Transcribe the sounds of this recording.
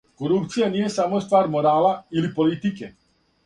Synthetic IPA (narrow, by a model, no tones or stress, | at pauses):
koɾupt̪sijanijɛsamost̪vaːɾmoɾaːlailipolit̪ikɛ